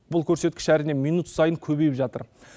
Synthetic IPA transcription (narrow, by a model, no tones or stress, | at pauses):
bʊlˠkʲʰɵɾse̞t̪̚kʲɪ̥ʃæɾɪne̞mijnut̪sɑjəŋkʲʰɵbe̞jɪpʒɑt̪ə̰ɾ